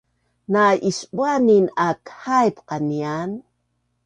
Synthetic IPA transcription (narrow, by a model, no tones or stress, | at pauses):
naʔiʃɓwaninakhajpqanian